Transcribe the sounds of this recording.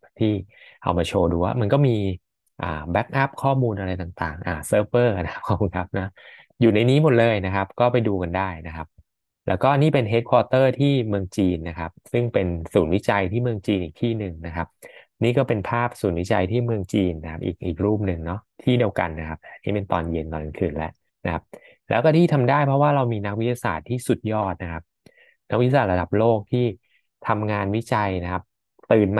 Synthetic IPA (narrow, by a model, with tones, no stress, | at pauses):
t̪ʰiː˥˩ʔʰa̰˧wmaː˧t͡ɕʰoː˧duː˧waː˥˩ma˧nkɔː˥˩miː˧ | ʔa̰ː˨˩bɛ˦˥k̚ʔa˦˥p̚kʰɔː˥˩muː˧nʔa˧ɾa˧jt̪aː˨˩ŋt̪a̰ː˨˩ŋʔaː˨˩sɤː˧˩p̚ːɤː˥˩na˦kʰa˦˥p̚kʰa˦˥pkʰu˧ŋkʰa˦˥p̚na˦˥ | juː˨˩na˧jniː˦˥mo˨˩t̪̚lɤː˧jna˦˥kʰa˦˥p̚kɔː˥˩pa˧jduː˧ka˧ndaː˥˩jna˦˥kʰa˦˥p̚ | lɛ̰ː˦˥wkɔː˥˩niː˥˩pe˧nɦeː˦˥t̪̚kʰwɔː˧t̪ɤː˥˩t̪ʰiː˥˩mɯ˧əŋt͡ɕiː˧nːa˦˥kʰa˦˥p̚sɯ˥˩ŋpe˧nsuː˩˦nwi˦˥t͡ɕa˧jt̪ʰiː˥˩mɯ˧əŋt͡ɕiː˧nʔiː˨˩k̚t̪ʰiː˥˩nɯ˨˩ŋna˦˥kʰa˦˥p̚niː˥˩kɔː˥˩pe˧npʰaː˥˩p̚suː˩˦nwi˦˥t͡ɕa˧jt̪ʰiː˥˩mɯ˧əŋt͡ɕiː˧nːa˦kʰa˦˥p̚ʔḭː˨˩k̚ʔiː˨˩k̚ɾuː˥˩p̚nɯ˨˩ŋnɔ˦˥t̪ʰiː˥˩di˧əwka̰˧nːa˦˥kʰa˦˥p̚nʰiː˦˥˩pe˧nt̪ɔ̰ː˧nje˧nt̪ɔː˧na˧nkʰɯː˨˩nlɛ̰˦ʔ | na˦˥kʰa˦˥p̚ | lɛ̰ː˦˥wkɔː˥˩t̪ʰiː˥˩t̪ʰa˧mdaː˥˩jpʰɾɔ˦˥waː˥˩ɾa˧wmiː˧na˦˥k̚wi˦˥ja˧sa̰ː˨˩t̪ʰːiː˥˩su˨˩t̪̚jɔː˥˩t̪̚na˦˥kʰa˦˥p̚ | na˦˥kwi˦˥a˧aː˨˩ɾa˧da˨˩p̚loː˥˩k̚t̪ʰiː˥˩ | t̪ʰa˧mŋaː˧nwi˦˥t͡ɕa˧jna˦˥kʰa˦˥p̚ | t̪ɯː˨˩nm